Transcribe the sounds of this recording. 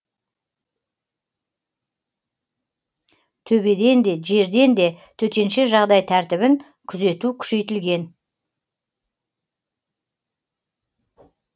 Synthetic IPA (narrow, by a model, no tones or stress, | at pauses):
t̪ʰɵbe̞d̪e̞nd̪e̞ʒe̞ɾd̪e̞nd̪e̞t̪ʰɵt̪e̞nʃe̞ʒɑʁd̪ɑjt̪ʰæɾt̪ɪβɪŋ | kʲʰʏze̞t̪ukʲʰʏ̥ʃe̞jt̪ɪlɡʲe̞n